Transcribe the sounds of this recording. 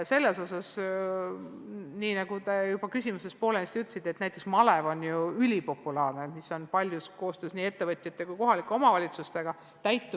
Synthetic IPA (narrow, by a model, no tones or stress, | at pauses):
se̞lːe̞so̞s̬ɑs | niːnɑɡ̥ut̪e̞jub̥ɑkysimuse̞st̪̚po̞ːlenist̪yt̪lsit̪ːˑet̪næjt̪ːˑeksmɑle̞vo̞njuylʲipo̞pːˑulɑːrne̞miso̞npɑlʲjusko̞ːst̪øːsniːe̞t̪ːe̞vɤt̪ʲjɑt̪ːˑekujko̞ɦɑlikːˑeo̞mɑvɑlʲit̪sust̪e̞ɡ̥ɑ | t̪æjt̪ˑːu